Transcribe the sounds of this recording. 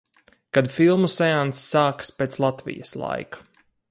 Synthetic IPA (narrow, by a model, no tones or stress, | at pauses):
kad̪filˠmusɛansːaːkspeːt̪slˠat̪vḭjə̰slˠa̰jkḁ